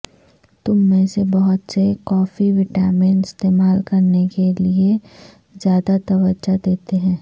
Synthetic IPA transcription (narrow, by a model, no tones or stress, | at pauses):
t̪ʊmːẽsebɐɦʊt̪sekɔːfiʋɪʈaːmɪnɪst̪eːmaːlkɐɾnekelie | zjaːd̪at̪ɐʋəd͡ʒad̪eːt̪eɦɛ̃ː